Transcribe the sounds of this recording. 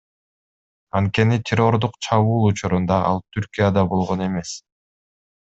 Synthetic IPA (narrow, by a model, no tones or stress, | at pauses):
ɑnt̪̚ke̞nit̪ʰʲɪɾo̞rd̪uqt͡ʃʰɑβuːlˠut͡ʃuɾund̪ɑʔɑ̰lˠt̪ʰyɾkʲijad̪ɑbo̞lˠʁone̞me̞s